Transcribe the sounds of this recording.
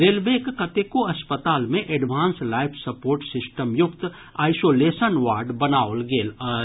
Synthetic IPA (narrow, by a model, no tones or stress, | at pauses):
ɾeːlʋeːkkɐt̪ekoɐspət̪aːlmẽʔɛɖʋʱaːnslaːɪpʰsɐpoːɾʈsɪsʈəmjʊkt̪ | aːɪsoːleːsənʋaːɾɖbɐnaːolɡeːl